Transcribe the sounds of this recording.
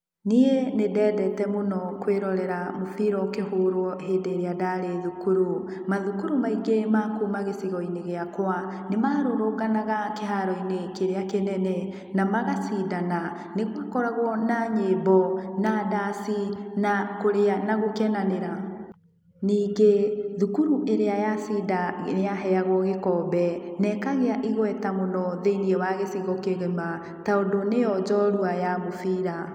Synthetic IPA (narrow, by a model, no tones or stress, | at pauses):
nienedɛːdɛtɛmonɔkweɾɔɾɛɾamofiɾɔkehoːɾwɔɦeːdeɾeadaɾeðukuɾu | maðukuɾumaiɡemakuːmaɣesiɣɔineɣeakwa | nemaːɾoɾoɣanaɣakeɦaɾɔinekeɾeakenɛnɛ | namaɣasiːdana | neɣwakɔɾaɣwɔnaɲeːbɔnadasinakoɾeanaɣokɛnaneɾa | niːŋɡeðukuɾuʔeɾeajasidaejaɦɛaɣwɔɣekɔbɛnɛkaɣeaʔiɣwɛtamonɔðeiniɛwaɣesiɣɔkeɣema | taondonejɔd͡ʒɔɾuajamofiɾa